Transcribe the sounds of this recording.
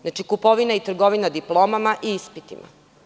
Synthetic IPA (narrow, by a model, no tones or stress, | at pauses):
znat͡ʃikupo̞ʋinait̪r̩ɡo̞ʋinad̪iplˠoːmamaʔiispit̪ima̰